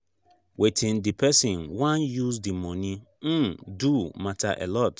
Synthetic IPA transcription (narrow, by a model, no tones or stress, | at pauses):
wetʰɪ̃ndipʰɛsĩnwãnjusdimɔ̃nĩ | n̩dumatʰa̰ʔɛ̰lɔt